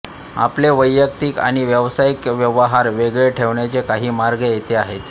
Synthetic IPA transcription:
a̰pleʋəjːək̚t̪ika̰ɽ̃iʋjəʋsaikʋjəʋəɦaɾʋeɡɭeʈʰeʋɳjat͡sekaɦiːmaɾɡəjet̪eaɦet̪

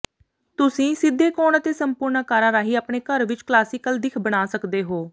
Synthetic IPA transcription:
t̪ʊsĩːsɪd̪ʱːeːkoːnət̪eːsəmpʊːɾnaːkaːɾaːɾaːɦiːaːpɳeːkəɾʋɪt͡ʃklaːsiːkəld̪ɪkʰbəɽaːsəkd̪eːɦoː

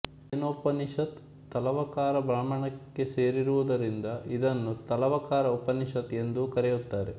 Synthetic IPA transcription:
enoːpːɐniʃɐt̪ː | ɐlɐʋɐkaːɾɐbɾaːmɐɳɐkːe̞se̞ːɾiɾuʋud̪ɐɾind̪ɐʔid̪ɐnːut̪ɐlɐʋɐkaːɾɐupːɐniʃɐt̪e̞nd̪ukɐɾɛjut̪ːaːɾe̞

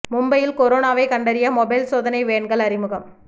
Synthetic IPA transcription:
mʊmbɐjɪlkɔɾoːnaːʋɐɪkɐɳɖɐɾɪjɐmɔbɐɪlsoːðɐnɐɪʋeːɳɡɐɭɐɾɪmɯɣɐm

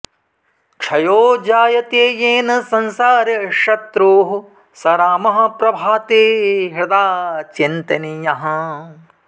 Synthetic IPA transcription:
kt͡ʃʰɐjoːd͡ʒaːjɐt̪eːjeːnɐsɐnsaːɾjɐʃɐt̪ɾuːɦu | sɐɾaːmɐɦɐ̆pɾɐbʱaːt̪eːɦɐd̪aːt͡ʃint̪ɐnijɐɦɐ

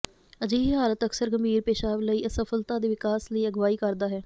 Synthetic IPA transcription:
əd͡ʒiːɦɦaːlət̪əksəɾɡəmbʱiːɾpeːʃaːʋləiːʔəsəfʰəlt̪ãːd̪eːʋɪkaːsləiːəɡʋaːiːkəɾd̪aːɦɛː

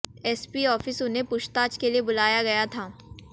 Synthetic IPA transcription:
ɛːspiɔːfɪsʊnɦepʊʃt̪aːt͡ʃkeliebʊlaːjaɡɐjat̪ʰaː

